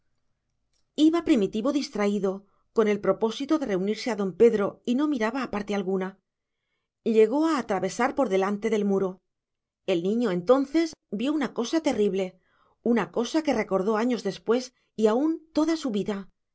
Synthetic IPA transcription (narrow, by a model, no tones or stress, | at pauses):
iβapɾimit̪iβo̞ðist̪ɾaiðo̞ | ko̞ne̞lpɾo̞po̞sit̪oðe̞re̞uniɾse̞aðo̞mpe̞ðɾo̞ino̞miɾaβaːpaɾt̪e̞alɣuna | ʎe̞ɣo̞aːt̪ɾaβe̞saɾpo̞ɾðe̞lant̪e̞ðe̞lmuɾo̞ | e̞lnĩɲoe̞nt̪o̞nθe̞zbjo̞unako̞sat̪e̞riβle̞ | unako̞sake̞re̞ko̞ɾðo̞aɲo̞zðe̞spwe̞s | iaunt̪o̞ðasuβiða